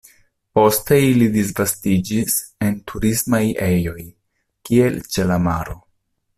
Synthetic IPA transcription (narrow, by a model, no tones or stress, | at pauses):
po̞steilidis̬vastid͡ʒise̞ntʰuɾismajejo̞j | kie̞lt͡ʃe̞lama̰ɾo̞